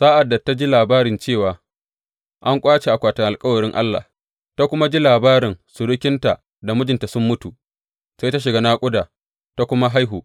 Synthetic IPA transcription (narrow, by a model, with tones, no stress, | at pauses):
saː˦ʔa˨dːa˨ta˦d͡ʒi˦laː˨baː˦ɾɪ˨nt͡ʃeː˦˨waː˨ | ʔa˦ŋkʷʼaː˦t͡ʃe˨ʔa˨kʷaː˨tɐ˨ŋʔa˨lkʼɐ˦wɐ˨ɽɪ˦ŋʔa̰˦lːa̰ː˨ | ta˦kʷʊ˦ma˦d͡ʒi˦laː˨baː˦ɾɪ˨ŋsʊ˨ɽʊ˦kʲɪ˦nta˨ | da˨mʊ˦d͡ʒɪ˨nta˨sʊ˦mːʊ˦tu˨ | sa˦jta˦ʃ̬ɪ˨ɡa˦naː˦kʷʼʊ˦daː˨ | ta˦kʷʊ˦ma˦ɦa˦jɦu˨